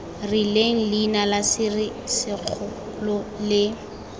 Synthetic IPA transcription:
rɪleŋ̩linalasɪrɪ | sɪk͡xʰʊ | lɔlɪ

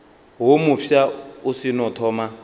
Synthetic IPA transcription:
ɦomufjausinɔtʰɔːma

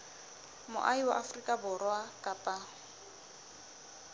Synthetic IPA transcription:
mʊ̰ʔaiwa̰ʔafrikʼabʊrɔakʼapʼa

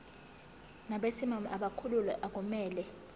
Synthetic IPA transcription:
naɓesimamaɓakʰululɛ̰ʔak̬umɛːlɛ

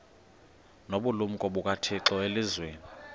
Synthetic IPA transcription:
noɓulum̩kʼɔɓukʼatʰiǁɔelizweːni

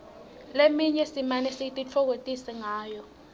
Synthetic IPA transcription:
lemiɲɛsimanɛsitʼit͡fʰɔk̬otʼisɛŋaːjɔ

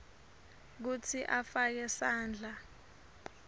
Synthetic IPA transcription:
k̬ut͡sʰiʔafak̬ɛsaːnd͡ɮʱa

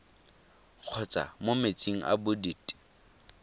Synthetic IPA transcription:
q͡χʰɔt͡sʼa̰momet͡sʼiŋ̩ʔa̰bʊdiːtʼi̥

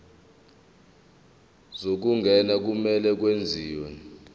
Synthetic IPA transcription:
zok̬uŋɡʱɛnak̬umɛlɛk̬wend͡zʱiːwɛ

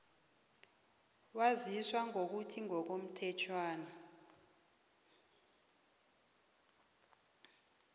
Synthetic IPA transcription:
waziswaŋok̬utʰiŋɔk̬om̩tʰɛt͡ʃʰwaːna

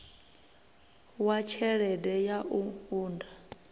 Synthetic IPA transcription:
wat͡ʃʰɛɺɛdɛjaʔuuːnda

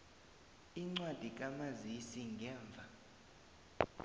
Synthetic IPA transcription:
iŋ͡ǀwad̥ʱik̬ʼamazisiŋɡʱɛːɱb̪vʱa

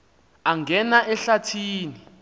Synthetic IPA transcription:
aŋɡʱɛnaʔɛɬatʰiːni

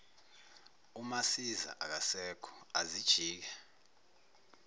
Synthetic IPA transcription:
umasiza̰ʔak̬asɛkʰɔ̥azid̥ʒ̥ʱiːk̬ɛ

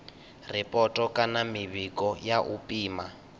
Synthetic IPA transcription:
rɛpʼɔtʼɔkʼanamiβikʼɔjaʔupʼiːma

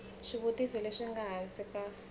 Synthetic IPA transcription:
ʂiβutizɔleʂiŋɡaɦand͡zika

